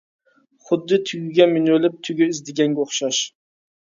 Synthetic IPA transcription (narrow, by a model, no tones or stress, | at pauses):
χʊd̪ːɪt̪ʰʊjɡʲamɪnɵlɪp̚t̪ʰʊɡʲʊɪzd̪ɪɡʲaŋɡʲaoχʃaʃ